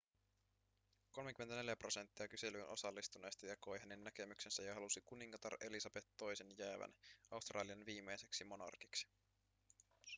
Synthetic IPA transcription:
ko̞lmekymːet̪æne̞ljæpro̞se̞nt̪ːiɑkyse̞lynʔo̞sɑlːist̪une̞ːst̪ɑjɑko̞jɦæne̞nːæke̞myksensæjɑɦɑlusikuniŋkɑt̪ɑre̞lisɑb̥e̞t̪ːo̞jse̞njæːʋæ̰nʔɑust̪rʔɑːliɑnʋiːmːe̞jse̞ksimo̞nɑ̰rki̥ksi̥

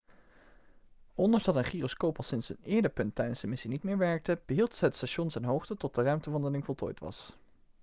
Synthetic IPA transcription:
ʔɔndəɹzdɑtənχiːroskowpɑlˠsɪnsənɪːɹdəɹpɵntːɛjdənszdəmɪsinitmɪːɹʋɛɹk̚təb̥əɦilˠtɦətstaːʃɔnzɛjnɦowχtətɔt̚dərœɥmtəʋɑndəlɪŋvɔlˠto̰ːjtʋɑ̰s

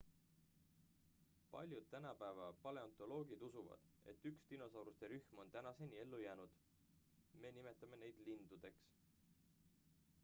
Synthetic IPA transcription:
pɑ̰lʲjud̪̥̚t̪ːænɑpæevɑpɑle̞ɑnt̪ˑo̞lo̞ːɡid̪̥usuvɑ̰d̪̥ | e̞̰t̪ːykst̪ino̞sɑwɾust̪e̞ɾyxmo̞nt̪ænɑse̞nʲie̞lːujæːnud̪̥ | me̞ːnime̞t̪ːˑɑme̞ne̞jd̪̥lind̪̥ud̪̥e̞ks

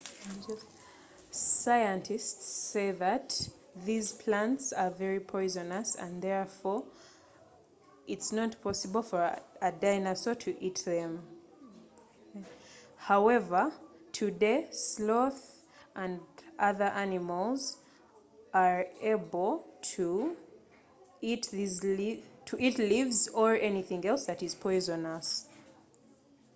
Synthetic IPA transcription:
d͡ʒ | saɪɨ̃ntʰɪstseɪðɨt | ðizpʰl̥æ̃ntsə˞vɛɹipʰɔɪzənəsə̰̃nðɛɹfɔ | ʔɪtsnətpʰɔsɨbəl̩ˠfə˞ədaɪnasotʰɨʔit̚ðɛ̃m | haʊɛvə˞tʰɨdeslɔθ | ʔə̃ndʔʌðə˞ʔænɪməlˠz | ʔa˞eɪbəl̩ˠtʰu | itðiztʰɨʔitlivzə˞ʔɛniθɪ̃ŋɛlˠsðɨɾɨz̥pʰɔɪzə̃nəs

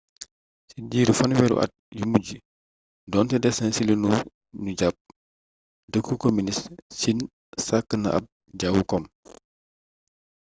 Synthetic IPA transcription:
siɟiːɾufɐnwɛɾṵʔɐ̰t̚jumuɟi | dɔːntɛdɛsɛnsilinu | nuɟap̚ | dəkːukominissin | sakːənɐ̰ʔɐ̰b̚ | ɟawukɔm

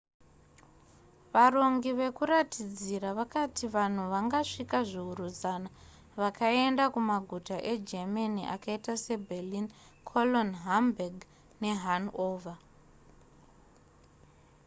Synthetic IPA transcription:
ʋaro̞ŋɡiʋe̞kuɾatid͡ziraʋakatiʋan̤uʋaŋɡaʂikaʐiuɾuzana | ʋakae̞ndakumaɡʱutaʔe̞d͡ʒemaniʔa̰kaitase̞bʱelin | kʰolonɦambaɡ | ne̞ɦanoːva

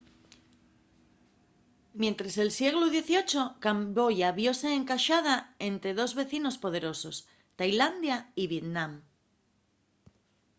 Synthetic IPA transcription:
mjẽ̞nt̪ɾase̞lsje̞ɣ̞luðje̞θio̞t͡ʃo̞kambo̞ʝaβjo̞se̞ːŋkaʃað̞ae̞nt̪ɾe̞ðo̞zβe̞θino̞spo̞ð̞e̞ɾo̞so̞s | t̪ajland̪jaiβje̞t̪nãm

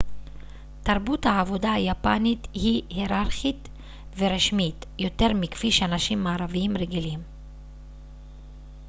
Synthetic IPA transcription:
t̪aʁbuthaːvo̞daajapanit̪hiheɾaɾχit̪ | veɾeʃmitjo̞te̞ʁmikfiʃeanaʃimːaːɾaviimʁeɡilim

